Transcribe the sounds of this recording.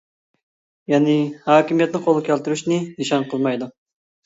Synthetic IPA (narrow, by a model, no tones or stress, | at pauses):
jɑːnɪhɑːkʲimijɛt̪̚nɪqʰolˠkʲʰælt̪yɾyʃnɪnɨʃɑnqʰəlˠmɑjd̪u